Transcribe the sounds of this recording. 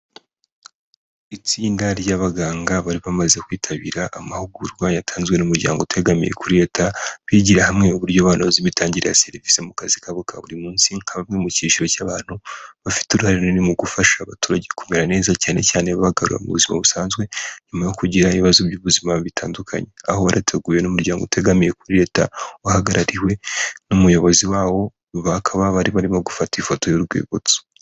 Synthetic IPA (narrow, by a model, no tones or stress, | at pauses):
it͡siːndaɾjaβaɡaːŋɡaβaɾiβamaze̞kwiːtʰaβiɾaʔamahuɡuɾwajatʰaːnzɡwe̞numuɾɟa̰ːŋɡotʰe̞ɡamḭje̞̰kuɾe̞tʰaβiɟiɾahamŋe̞uβuɾɟoβaːnaziβitaːɲɟiɾḛja̰se̞ɾivisemukazikaβokʰaβuɾimuːnsiŋhaβamŋe̞muciːʃiɾo̞caːβaːn̥huβafi̥tuɾuhaɾenonimuɡufaʃaβatuːɾaɟekumeɾane̞ːzacaːne̞̰caːne̞βaβaɡaɾṵɾa̰mṵβṵzima̰βusaːnzɡwe̞ɲumajo̞kuɟiɾaiiβazubɟuβuzimaβitʰaːndukʰa̰ɲe̞aho̞waɾʔatʰe̞ɡuːje̞numuɾɟaːŋɡoutʰe̞ɡamije̞kuɾiɾe̞ːtawahaɡaɾʔaɾiwe̞numujo̞βo̞ziwaːwo̞ | βakʰaβaβaɾiβaɾimoɡufatifo̞to̞joɾɡwḛːɡot͡so̥